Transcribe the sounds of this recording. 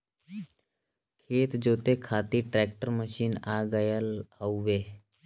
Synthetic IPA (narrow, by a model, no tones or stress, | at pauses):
kʰeːt̪d͡ʒoːt̪ekʰaːt̪iʈɾɛːk̚ʈəɾməʃiːnaːɡəjəlɦouʋeː